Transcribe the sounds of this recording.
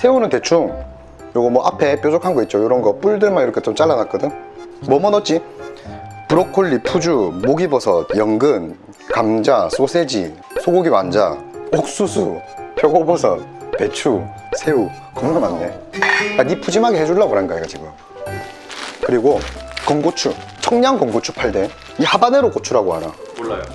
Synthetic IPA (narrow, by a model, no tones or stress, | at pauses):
sʰe̞unɯnte̞t͡ɕʰuŋ | joɡʌmwʌʔapʰe̞p͈jod͡ʑokʰanɡʌit̚t͡ɕ͈ojoɾʌnɡʌp͈uɭdɯɭmaiɾʌkʰet͡ɕ͈omt͡ɕ͈aɭːanat̚k͈ʌdɯŋmʌmʌnʌt̚t͡ɕ͈i | puɾokʰoɭːipʰud͡ʑumoɡibʌsʰʌt̚jʌŋɡɯn | kamd͡ʑas͈osʰed͡ʑḭ | sʰoɡoɡiwand͡ʑa̰ok̚s͈usʰupjʌɡobʌsʰʌ̰t̚pet͡ɕʰu | sʰe̞u | kɯmʌʌmanːe | anipʰud͡ʑimaɡehed͡ʑuɭːaɡoɾanɡaeɡad͡ʑiɡujo | kɯɾiɡokʌŋɡot͡ɕʰut͡ɕʰʌŋɲaŋkʌŋɡot͡ɕʰupʰaɭde̞ | ihabaneɾokot͡ɕʰuɾaɡoha̰ɾa̰